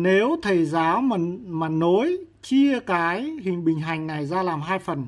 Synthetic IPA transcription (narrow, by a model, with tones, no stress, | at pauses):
ne˨˦wt̪ʰə˨˩jzaː˨˦wmaː˨˩no˨˦j | t͡ɕi˧əkaː˨˦jhï˨˩ŋ̟ɓï˨˩ŋ̟ɦa˨˩jŋ̟na˨˩jzaː˧laː˨˩mɦaː˧jfə˨˩n